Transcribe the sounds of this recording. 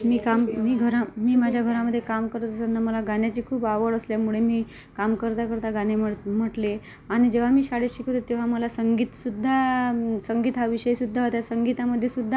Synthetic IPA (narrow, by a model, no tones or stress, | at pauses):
miːkammiːɡʱəɾamiːmad͡ʑʱjaɡʱəɾaməd̪ʱːjekamkəɾət̪əsənːaməlaɡanjat͡ɕiːkʰuːpaʋəɭəsljamuɭemiː | kamkəɾt̪akəɾt̪aɡaneəm̤əʈle | aɽ̃id͡ʑeʋ̤amiːsaɽeɕikʰot̪et̪eʋ̤aməlasəŋɡiːt̪sud̪ʱːasəŋɡiːt̪ɦaʋiɕəjsud̪ʱːaɦot̪jasəŋɡit̪aməd̪ʱːjesud̪ʱːa